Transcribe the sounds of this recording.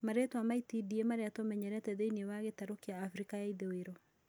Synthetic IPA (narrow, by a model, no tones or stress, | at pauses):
maɾetwamaitidiemaɾeatomɛɲɛɾɛtɛðeiniewaɣetaɾokeaːfɾikajaiðeweɾɔ